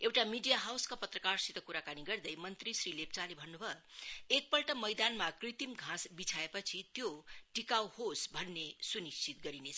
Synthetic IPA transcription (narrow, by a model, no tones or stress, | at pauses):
ewʈamiɖijaɦawskapʌt̪rʌkarsit̪ʌkuɾakaniɡʌrd̪ʌjmʌnt̪risɾilep̚t͡salebʱʌnːubʱʌek̚pʌlʈʌmʌjd̪anmakrit̪imɡʱãsbit͡sʰaepʌt͡sʰit̪joʈikawhosbʱʌnːesunist͡sit̪ɡʌɾinet͡sʰʌ